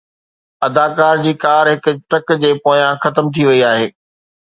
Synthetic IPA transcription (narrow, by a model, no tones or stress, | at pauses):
ɐd̪aːkaːɾd͡ʑiːkaːɾɦɪkʊ̆ʈɐkd͡ʑeːpoːjãxɐt̪əmt̪ʰiʋɐiaːɦeː